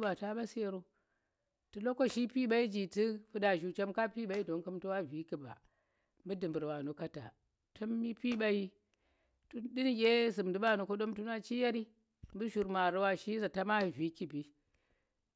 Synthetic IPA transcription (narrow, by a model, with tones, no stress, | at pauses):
ba˨ta˦ba˦se˦ɾo˦ | tɨ˨lo˦ko˦ʃi˦pi˦ɓa˦i˦d͡ʒi˨ti˦fɨ˦da˨ʒu˨t͡ʃe˦mka˦pi˦ɓa˨i˦do˨˦nkɨ˦mtu˦wa˦vi˨˦ki˨ba̰˨ | mbɨ˦dɨ˨mbɨ˨ɾwa˨nu˨ka˦ta̰˨ | tʰo˦mːi˦pi˦ɓa˦ji˦ | tu˦di˦n˦ɡʲe˦zɨ˨mdɨ˨˦ɓa˦˨no˨ko˦ɗo˦mtu˦na˦t͡ʃi˦ja˦ɾi˦ | mbɨ˦ʃu˨ɾma˨ɾu˦wa˦ʃi˦za˨ta˦ma˦˨vi˦ki˦bi˦